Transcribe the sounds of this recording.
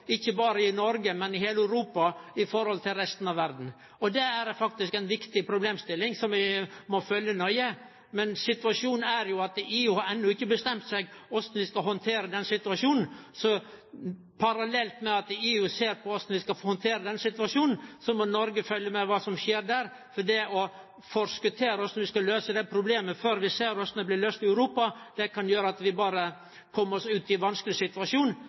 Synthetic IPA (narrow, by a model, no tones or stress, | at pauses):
ɪçːəbɑːɾəɪnɔɾɡəmɛnɪheːlæʉɾuːpɑɪfɔɾhɔlt̪ʰɪlɾɛst̪n̩ɑʋæɾd̪n̩ | ɔd̪ɛæɾfɑk̚t̪ɪskɛɪnʋɪkt̪ɪpʰɾʊbleːmst̪ɪlːɪŋsɔmʋɪmɔfœljənɔʏə | mɛnsɪt̪ʉʋɑʂuːnæɾjʊɑt̪eːʉhɑɾɛnːʊɪkːəbəst̪ɛmt̪sɛɡɔsn̩ʋɪskɑɦɔnt̪ʰeːɾəd̪ɛnsɪt̪ʉɑʂuːnn̩sɔ | pʰɑɾɑlɛlt̪mɛɑt̪eːʉseːɾpʰɔɔsnʋɪskɑfhɔnt̪ʰeːɾəd̪ɛnsɪt̪ʉʋɑʂjuːnn̩sɔmɔnɔɾɡəfœljəmɛʋɑːsɔmʂeːɾɖ̪æɾ | fɔɖɛɔ | fɔɾskʉt̪ʰeːɾəɔsnɔʋɪskɑløːsəd̪ɛpʰɾʊbleːməføːɾʋɪseːɾɔsnd̪ɛblɪløːst̪ɪœʉɾuːpɑd̪̥ɛkʰɑnjøːɾəɑt̪ʋɪbɑːɾə | kʰɔmːəɾɔsʉːt̪ɪʋɑnsklɪsɪt̪ʉɑʂjuːn